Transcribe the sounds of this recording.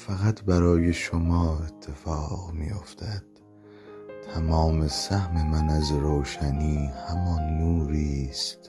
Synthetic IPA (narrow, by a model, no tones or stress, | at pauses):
fæɣæt̪ʰbæɾɒːje̞ʃomɒːe̞t̪ʰːe̞fɒːɢmḭːjo̞̰ft̪ʰæd̪̥̚ | t̪ʰæmɒːme̞sæhme̞mænæzɾoːʃæniːhæmɒnːuːɾiːst̪